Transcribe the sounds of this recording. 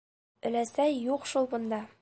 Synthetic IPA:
ɵ̆læsæjːuqʃulˠbŏnd̪ɑ

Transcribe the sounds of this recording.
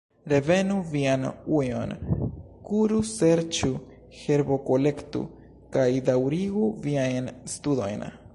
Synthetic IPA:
ɾe̞ve̞nuvianuɲo̞̰n | kuɾuse̞ɾt͡ʃu | he̞ɾbo̞ko̞le̞ktṵ | kajd̪awɾiɡuviajnst̪udo̞̰jn

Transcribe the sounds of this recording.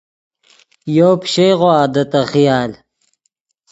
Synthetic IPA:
joːpɕejʁoaːd̪ɐt̪ɐxijaːl

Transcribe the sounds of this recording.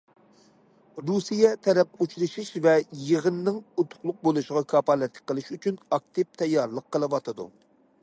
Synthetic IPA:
ɾusijɛt̪ʰɛɾɛp̚ut͡ʃɾɨʃiʃvɛjəʁənɨnɨŋut̪ʰʊ̥χlˠʊq̚bolˠuʃɪʁɑkʰɑpɑlˠɛt̪lːɪk̚ʲqːəlˠɨʃyt͡ʃʰynɑk̚t̪ʰɨp̚t̪ʰɛjːɑɾlˠəqʰːəlˠɨwɑt̪ʰɨd̪ṵ

